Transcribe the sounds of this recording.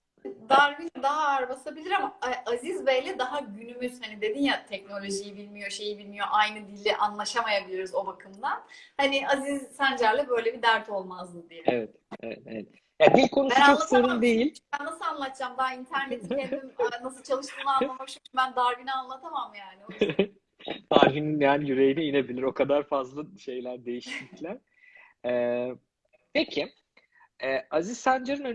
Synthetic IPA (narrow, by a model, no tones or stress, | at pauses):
d̪aɾvinɛd̪aɦaːɾbasabilʲiɾamaʔazizbɛjlʲɛd̪aɦaɟynymyz̥hanid̪e̞d̪injat̪ʰɛc̚no̞lʲo̞ʒijibilʲmijo̞ʃe̞jibilʲmijo̞ʔajnɯd̪ilʲːɛʔanlˠaʃamajabilʲiɾuzo̞bakʰɯmd̪anhaniʔazizsænd͡ʒæɾlʲɛbø̞jlʲebid̪æɾt̪ʰo̞lˠmazd̪ɯd̪ijɛɛvɛt̪aevɛḛvɛt̪ | jad̪ilʲkʰo̞nubænaolˠasanɯnd̪ejilʲbænːasɯlˠanlˠat̪̚d͡ʒamd̪aɦint̪ʰæɾnet̪ʰiend̪imɛnas̬ɯlˠt͡ʃʰalˠɯʃt̪ʰɯːmˠaanˠamakt͡ʃʰuɲcʰynbænd̪aɾɡinaanlˠat̪ʰamamjaːni | d̪̥aɾɡininjaːnijyɾe̞jiniine̞bilʲiɾo̞kʰad̪aɾfazlˠaʃe̞jlʲæɾd̪e̞jiʃt̪iclʲæɾ | ɛː | pʰecʰi | ɛːaziz̥sænd͡ʒeɾɯnø